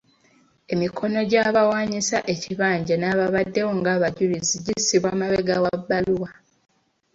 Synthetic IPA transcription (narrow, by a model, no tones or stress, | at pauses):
e̞mikʰo̞no̞ɟaβawaːɲisaʔe̞ciβaːɲɟanaːβaβadːe̞woŋɡaːβaɟuliziɟisiβwamaβeɡawabːaluwa